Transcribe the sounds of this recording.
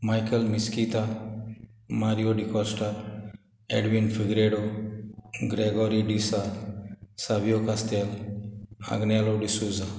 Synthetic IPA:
majkəlmiskit̪a | maɾijoɖikɔsʈɐɾ | eɖʋinfʰiɡɾeɖo | ɡɾeɡɔːɾiɖisa | sabijokast̪el | a̰ɡneloɖisuːza

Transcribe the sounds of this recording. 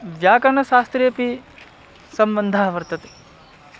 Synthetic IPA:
ʋjaːkɐnɐʃaːst̪ɾeːpi | sɐmbɐnd̪ʱaːʋɐɾt̪ɐt̪e̥

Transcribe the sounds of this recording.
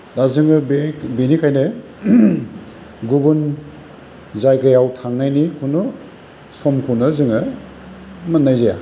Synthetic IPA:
dazɯŋɯbinikʰajnɯ | ɡubun | zajɡajawtʰaŋnajnikʰunu | sɔmkʰunɯzɯŋɯ | matnajzaja̰

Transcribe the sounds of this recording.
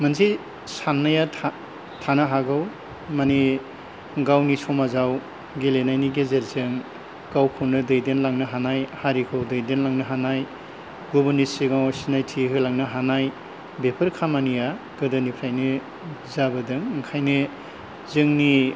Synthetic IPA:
mɐnsi | sanːaja | tʰanaɦaɡaw | mani | ɡawnisɔmazaw | ɡelenajniɡezeɾzɯŋ | ɡ̥awkʰownɯdɯjdenlaŋnɯɦanajhaɾikʰɯwdɯjdenlaŋnɯɦanaj | ɡobɐnisiɡawasinajtʰiɦɯlaŋnɯɦanaj | bepʰɯɾkʰamanija | ɡ̥ɯdɐnipʰɾajni | zabɐdɯŋŋkʰajnɯ | zɯŋni

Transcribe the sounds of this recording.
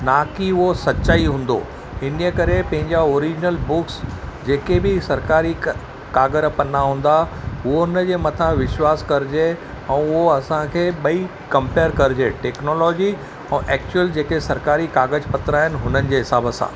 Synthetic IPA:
naːkiʊɦosɐtːɕaːiɦũːn̆d̪o̰ | ɦɪniəkɐɾepɐ̃ɦɪ̃ɲd͡ʑaoːɾid͡ʑɪnəlbʊksd͡ʑeːkebɪsɐɾkaːɾi | kaːɡəɾəpɐnaɦũːn̆d̪aʊɦoɦʊnəd͡ʑeːmɐt̪ʰãʋɪʃwaːskɐɾɪd͡ʑe | ɛ̃ːʊɦoɐsãkʰeːɓɐi | kɐ̃mpeːəɾkɐɾɪd͡ʑeːʈɛːknoːlɔːd͡ʑi | ɛ̃ːʔɛːk̚t͡ɕʊəld͡ʑeːkesɐɾkaːɾikaːɡəd͡ʑpɐt̪ɾaːɦɪnɪ̆ɦʊnənɪ̆d͡ʑeːɦɪsaːbəsã̰ː

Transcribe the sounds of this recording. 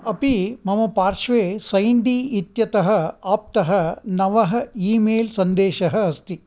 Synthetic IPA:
ɐpimɐmɐpaːɾʂʋeːsɐjnd̪iːit̪jɐt̪ɐɦɐ̆aːp̚t̪ɐɦɐ̆nɐʋɐɦɐ̆iːmeːlsɐnd̪eːʃɐɦɐ̆ɐst̪i

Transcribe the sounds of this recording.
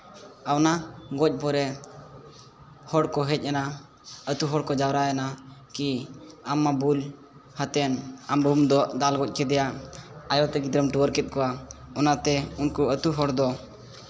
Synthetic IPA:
awnaɡɔc̚ˀpɔɾɛ | hɔɽkɔɦɛc̚ˀana | ət̪uɦɔɽkɔd͡ʒawɾajanakiamːabul | hat̪ɛnambʱumd̪ɔd̪alɡɔc̚ˀkɛd̪ɛjaajɔt̪ɛɡid̪ɾəmʈuwəɾkɛt̪̚kɔwaɔnat̪ɛunkuət̪uɦɔɽd̪ɔ

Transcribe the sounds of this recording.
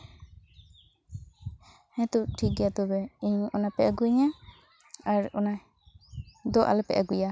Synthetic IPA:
hɛ̃t̪uʔʈʰik̚ɡɛjat̪ɔbɛiɲɔnapɛʔaɡuɲa | aɾɔna | d̪ɔʔa̰lɛpɛ̰ʔaɡuja

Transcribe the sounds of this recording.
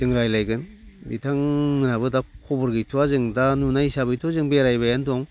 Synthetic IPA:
dɯŋɾajlajɡɯnbitʰaŋnɯnabɯdakʰɔbɯɾɡɯjtʰuwazɯŋdanunaisabɯjtʰuazɯŋbeɾajbajanduaŋ

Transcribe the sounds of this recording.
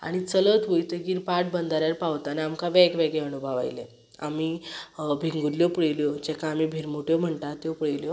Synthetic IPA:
a̰ɽ̃it͡sələt̪ʋojt̪əɡiːɾpaʈ̚bənd̪ʱaɾjaɾpawt̪anaamkaʋɛkʋeɡɭeənubʱəʋa̰jle | a̰miːbʱiŋɡuɾljopɽejljod͡ʑɛkʰãːmibʱiɾmuʈjom̤əɳt̪at̪jopuɽəjljo

